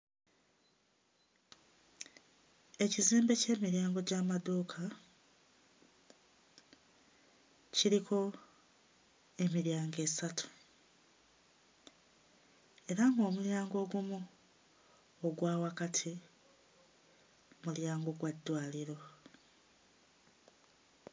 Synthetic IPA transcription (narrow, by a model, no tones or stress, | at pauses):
e̞ciziːmbe̞ce̞ːmiɾjaːŋɡo̞ɟaːmadoːkʰa | ciɾikʰo̞ | e̞miɾjaːŋɡe̞ːsatʰu̥ | e̞ɾaŋɡo̞ːmuljaːŋɡo̞ːɡumu | oɡwaːwakatʰi | muljaːŋɡo̞ɡwadːwaːliɾo̞